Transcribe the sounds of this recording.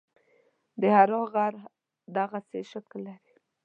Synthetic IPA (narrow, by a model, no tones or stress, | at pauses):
d̪əhaɾoɣaɾ | d̪aɣaseʃaklːaɾi